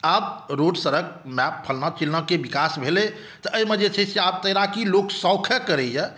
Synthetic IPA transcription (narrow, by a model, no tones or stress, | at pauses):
abɾoɖsəɾək̚mɛppʰːəlnat͡ʃilnəkebikasbʱele | t̪əʔəjmed͡ʒet͡ʃʰɛseab̚t̪əjɾakiloksɔkʰəkəɾɛjɛ